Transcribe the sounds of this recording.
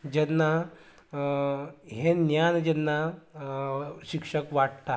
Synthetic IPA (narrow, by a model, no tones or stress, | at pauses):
d͡ʑɛnːa | ɦenjand͡ʑɛnːa | ɕikʂəkʋaʈ̚t̪a